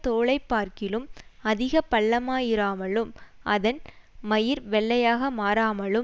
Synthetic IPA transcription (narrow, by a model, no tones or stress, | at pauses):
t̪oːɭɐɪpːaːɾkɪlɯmɐðɪɣɐpɐɭːɐmaːjɪɾaːmɐɭɯmʔɐðɐnmɐjɪɾʋɛɭːɐjaːɣɐmaːɾaːmɐɭɯ